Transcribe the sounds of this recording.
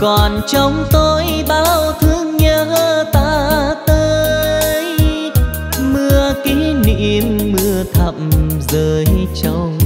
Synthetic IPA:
kɔ˨˩nt͡ɕɔ˧wŋ͡mt̪o˧jɓaː˧˩wt̪ʰɨ˧˦əŋɲəː˧həː˧˩t̪aː˧˥t̪əː˧j | mɨ˧əki˨˧˦nḭ˧mːɨ˧ət̪ʰə˧˨˩m̚zəː˨˩jt͡ɕə˧wŋ͡m

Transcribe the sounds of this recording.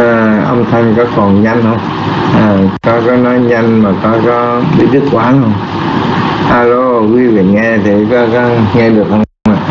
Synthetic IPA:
ʔə̰˧wŋ͡mt̪ʰa˧jŋkɔ˨˦kɔ˨˩nɲa˧jŋ̟hə˧wŋ͡m | ʔaː˨˩kɔ˨˦kɔ˨˦nɔ˨˦jɲa˧jŋ̟maː˨˩kɔ˨˦kɔ˨˦ɓḭ˧˦ɗɨ˦˥k̚kwaː˨˦nhə˧wŋ͡m | ʔaː˧lo˧kwi˨˧˦vḭ˧˨ŋɛ˧t̪ʰi˨˩kɔ˨˦kɔ˨˦ŋɛ˧ɗɨ˨˩ək̚ʔə˧ŋ͡mwŋ͡ma˨˩

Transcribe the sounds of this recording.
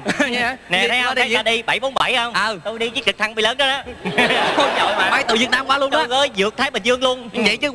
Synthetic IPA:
ɲ˨nɛ˨˩˨a˨˧t̪ʰa˨˦aː˧ɗi˧ɓa˧˩jɓo˨˦mɓa˧˩jhə˧wŋ͡mə˨˩t̪o˧jɗi˧ɨ˨˦t͡ɕɨ˨˩t̪ʰa˧ŋɓi˧˩ləː˨˦nɗɔ˨˦na˨˦˧a˨˧˦zɔ̰˧˨jmaː˨˩maː˨˦jt̪ɨ̰˧˨vi˨˩ət̚naː˧mkwaː˨˦lu˧əna˧ɣəː˨˦jzɨ˨˩ək̚t̪ʰaː˨˦jɓə̈˨˩zɨ˧əŋlu˧ən˧və̰˧˨jt͡ɕɨ˨˦

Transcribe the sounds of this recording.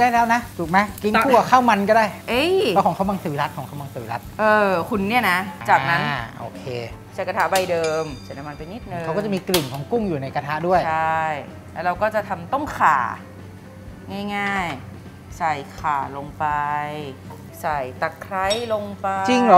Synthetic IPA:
daː˥˩jlɛː˦˥wna˦˥t͡ɕu˨˩k̚ma˦˥jki˧nkʰuː˥˧˥ɐ˩kʰaː˥˩wma˧nkɔː˥˩daː˥˩jʔeː˧˥˩ɔ˧˥˩kɔː˩˦kʰa˦˥wma˧ŋt̪ɯː˨˦la˦˥t̪̚kʰɔː˨˩˦ŋʰa˦˥wma˧ŋsɯː˨˩˦la˦˥t̪̚ʔɤː˧kʰu˧nːi˥˩ɐna˦˥t͡ɕaː˨˩k̚na˦˧˥nʔo̰ː˧kʰeː˧ | t͡ɕa˨˩ka˧t̪ʰa˦˥ba˧jdɤː˧mt͡ɕʰa˨˦˥na˧˥ma˧npa˧jni˦˥t̪̚nɯ˧a˦kːt͡ɕa˨˩miː˧kli˨˩ŋkʰɔː˩˦ŋku˥˩ŋjuː˨˩na˧jka˧t̪ʰa˦˥ʔdu˥˩əjt͡ɕa˥˩j | lɛ˦˥ɾa˧wkɔː˥˩t͡ɕa˨˩t̪ʰa˧mt̪ɔ˥˩ŋkʰaː˨˩˦ | ŋaː˥˩jŋaː˥˩j | sa˨˩jkʰaː˨˩lo˧ŋpa˧j | sa˨˩jt̪a˨˩kʰːɾa˦˥jlo˧ŋpa˧t͡ɕi˧ŋl

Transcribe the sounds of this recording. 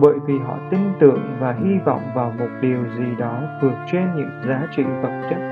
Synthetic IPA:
ɓə̰ː˧˨jvi˨˩ɦɔ̰˧˨t̪ï˧ŋ̟t̪ɨ̰˧˨əŋvaː˨˩hi˧va̰˧˨wŋ͡mvaː˨˩wmo˨˩t̚ɗi˨˩əwzi˨˩ɗɔ˨˦t̪ʰɨ˨˩ək̚t͡ɕe˧nɲɨ̰˧˥ŋzaː˨˦t͡ɕḭ˧˨və˨˩t̚t͡ɕə˦˥t̚

